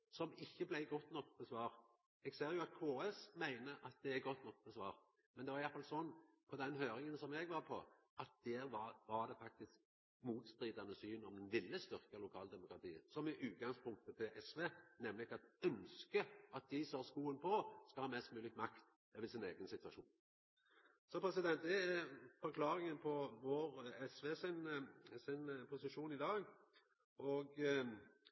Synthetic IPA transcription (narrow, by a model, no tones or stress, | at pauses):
sɔmɪçːəblæɪɡɔt̪ːnɔkːbɛsʋɑːɾ | ɛɡseːɾjʊɑt̪̚kʰoːɛsmæɪnəʔɑt̪̚d̪ɛæɾɡɔt̪ːnɔk̚bɛsʋɑːɾ | mɛnd̪ɛʋɑɾɪjɑt̪fɑlsɔnːpʰɔd̪ɛnhøːɾɪŋənsɔmɛɡʋɑɾpʰɔ̰ | ɑt̪̚d̪̥eːɾʋɑɾʋɑɾd̪ɛfɑk̚t̪ɪsk̚ | muːt̪st̪ɾiːd̪ɑnəsyːnɔmd̪ɛnʋɪlːəst̪ʏʁkəlʊkʰɑːld̪ɛmʊkʁɑt̪ʰḭːə̰sɔmɛʔʉːt̪̚ɡɑŋspʰʊŋk̚t̪ət̪ʰɪlʔɛsʋeːnɛmlɪɡɑt̪œnskəɑt̪̚d̪ɪsɔhɑskuːənpʰɔskɑlhɑːmɛst̪mʉːlɪkmɑkt̪ | ɛʋɪsɪneːɡənsɪt̪ʋɑʂṵːn | sɔpʰɾʁɛsɪd̪ɛnt̪̚d̪ɛæfɔɾkʰlɑːɾɪŋənpʰɔʋoːʁɛsʋeːsɪnsɪnpʰʊsɪʃuːnɪd̪ɑːɡ | ʔɔɡ